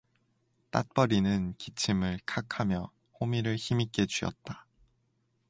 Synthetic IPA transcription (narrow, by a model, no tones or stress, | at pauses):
t͈at̚p͈ʌɾinɯnkit͡ɕʰimɯɭkʰakʰamjʌ | homiɾɯɭçimik͈e̞t͡ɕuʌ̰t̚t͈a